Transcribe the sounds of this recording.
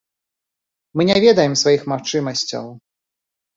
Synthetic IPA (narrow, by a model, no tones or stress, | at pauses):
mɨnʲɛvʲɛd̪ɐjɛmsvajixmaxt͡ʂɨmɐsʲt͡sʲɐ̰w